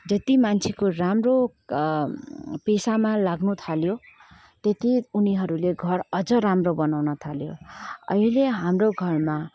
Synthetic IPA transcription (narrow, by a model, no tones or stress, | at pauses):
d͡zʌt̪imant͡sʰekoramro | pesamalaɡnut̪ʰaljo | t̪et̪iuniɦʌɾuleɡʱʌrʌd͡zʌɾamrobʌnawnʌt̪ʰaljo̰ʌ̰ileɦamroɡʱʌrma